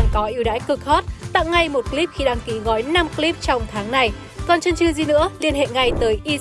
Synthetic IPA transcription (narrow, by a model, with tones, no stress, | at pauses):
ŋkɔ˨˦ʔi˧˩əwɗa̰ː˧˥jkɨ˨˩k̚hɔ˦˥t̚t̪a̰ː˧˨ŋːa˧jmo˨˩t̚kli˦˥p̚xi˧ɗaː˧ŋki˨˦ɣɔ˨˦jna˧mkli˦˥p̚t͡ɕɔ˧wŋ͡mt̪ʰaː˨˦ŋna˨˧j | kɔ˨˩nt͡ɕə˧nt͡ɕɨ˧zi˨˩nɨ̰˧˥əli˧ənɦḛ˧˨ŋa˧jt̪əː˨˦jʔi˧